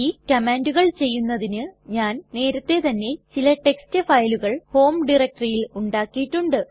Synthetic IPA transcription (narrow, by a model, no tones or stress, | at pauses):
iːkɐmeːnduɣɐɭt͡ɕe̞jːunːɐðinɨɲaːnne̞ːɾɐt̪ːe̞t̪ɐnːe̞t͡ɕilɐʈe̞kstɨfɐjluɣɐɭho̞ːmɖirek̚ʈɐrijiluɳɖaːkːijiʈːuɳɖɨ